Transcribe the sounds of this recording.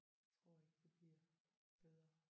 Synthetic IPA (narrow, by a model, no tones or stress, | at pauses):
t͡sʰʁɔ̝ɐ̰eɡ̥̚d̥e̝b̥liɐ̰ | b̥eð̞ˠʁɐ